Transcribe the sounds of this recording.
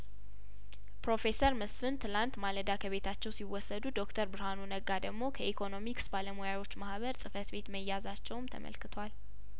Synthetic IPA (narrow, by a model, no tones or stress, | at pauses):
pɾo̞fe̞səɾməsfɨnt̪ʰɨlant̪maləd̪akʰəβe̞t̪ʰat͡ʃːɛwsiwːɔsːəd̪ud̪o̞kt̪ʰəɾbɨɾhanunəɡad̪əɡmo̞kʰəʔikʰo̞no̞miksbaləmojawo̞t͡ʃːmahβəɾsʼɨfət̪be̞t̪məjːazat͡ʃːɛwmt̪ʰə̰mə̰lkɨt̪ʰwal